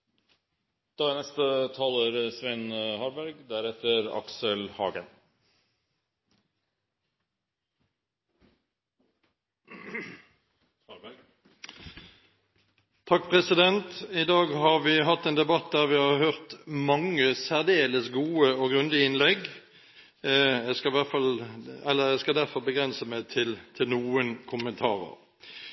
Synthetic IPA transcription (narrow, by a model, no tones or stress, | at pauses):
d̪̥ɑːænɛst̪ət̪ʰɑːləɾsʋɛɪnhɑːɾbæɾɡd̪æɾɛt̪əɾɑ̰ksəlhɑ̰ːɡə̰n | t̪ʰɑkːpʰʁɛsɪd̪ɛnt̪ɪd̪ɑːɡhɑʁʋɪɦɑt̪ːeːnd̪ɛbɑt̪̚d̪æʁʋɪhɑːʁhøːʁt̪mɑŋəsæʁd̪eːləsɡuːəoːɡʁʉnd̪ɪɪnlɛɡ | æɪskɑʋæʁfɑlɛlːəæɪskɑld̪æʁfɔʁbəɡʁɛnsəmæɪt̪ʰɪlt̪ʰɪlnuːənkʰʊmənt̪ʰɑ̰ːʁə̰ʁ